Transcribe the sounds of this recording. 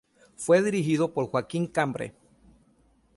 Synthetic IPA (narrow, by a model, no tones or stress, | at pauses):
fweðiɾiɦiðopoɾxwakiŋkambɾḛ